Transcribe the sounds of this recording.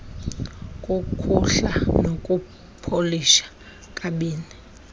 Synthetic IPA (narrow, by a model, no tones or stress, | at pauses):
kʼukʰuɬanokʼu | pʰoliʃḁ | kʼaɓiːni